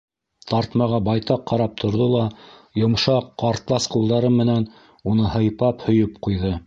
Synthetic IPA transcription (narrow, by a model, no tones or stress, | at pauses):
t̪ɑɾt̪mɑʁɑbɑjt̪ɑqːɑɾɑp̚t̪ʰŏɾðolˠɑjŏmʃɑqːɑɾt̪lˠɑsqulˠd̪ɑɾɤmmɘ̆næn | unɤhɤ̆jpɑphɵ̆jɵpqujðɤ